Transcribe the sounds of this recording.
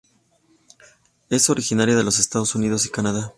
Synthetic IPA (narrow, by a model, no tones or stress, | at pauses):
e̞so̞ɾixinaɾjað̞e̞lo̞s̬e̞st̪aðo̞sunið̞o̞s̬ikanaða